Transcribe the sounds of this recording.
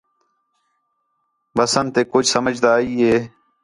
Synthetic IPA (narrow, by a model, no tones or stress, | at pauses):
ʋəsənt̪eːkʊd͡ʒʱsəməd͡ʒʱd̪aːiːɦeː